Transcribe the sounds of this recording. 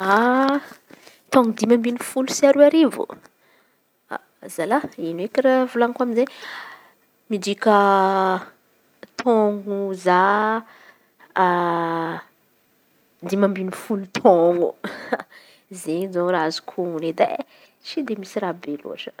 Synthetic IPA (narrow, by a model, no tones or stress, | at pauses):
a | t̪ɔ̃ŋɡud̪imambinifulusaɾuaɾivṵ | a̰ | zalainekiravulankwaminze | mid̪ikə | t̪ʰɔŋɡuza | d̪imambinifulut̪ʰɔŋɡṵ | zezoɾazu̥kʰuuned̪a̰ | t͡ʃid̪emisirabelṵʈ͡ʂə̥